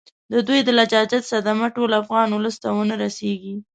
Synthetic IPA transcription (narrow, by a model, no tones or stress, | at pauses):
d̪əd̪ujd̪əlad͡ʒɑd͡ʒat̪sad̪amaʈolafɣɑnʊləst̪awənaɾaseɡi